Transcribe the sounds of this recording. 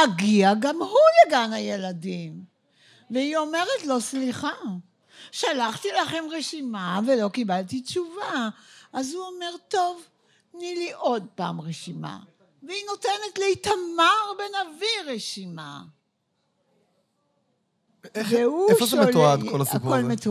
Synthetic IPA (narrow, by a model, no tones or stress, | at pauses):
aɡiaɡamhuleɡanaje̞ladim | veio̞me̞ʁetlo̞sliχa | ʃalaχtilaχe̞mʁeʃimavelo̞kibaltit͡ʃuvaʔazhuome̞ʁto̞v | niliʔo̞d̚pa̰ːmʁeʃima̰ | veinotenetleitamaʁbenaviʁeʃima̰ | veuefoʃemeoad̪kolaiukolmet